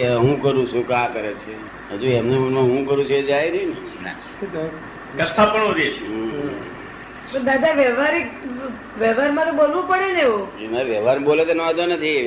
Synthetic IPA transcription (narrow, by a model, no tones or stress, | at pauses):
ɦũkəɾũt͡ʃʰũkãkəɾet͡ʃʰe | ɦə̃d͡ʒuɛmnemənmãɦũkəɾũt͡ʃʰued͡ʒajɾnena | kəst̪ʰːapəɳoɾeʃe | pəd̪ad̪aʋɛʋaɾi | ʋɛʋaɾmãt̪obolʋũpəɽeneʋũnaʋɛʋaɾbolet̪onɔd̪onət̪ʰi